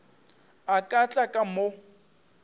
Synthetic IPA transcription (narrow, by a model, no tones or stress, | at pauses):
akʼat͡ɬʼakʼamo